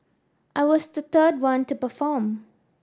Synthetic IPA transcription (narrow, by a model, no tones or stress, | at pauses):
ʔaɪwɔzðət̪ʰɜːdwʌ̃ntupəfɔːm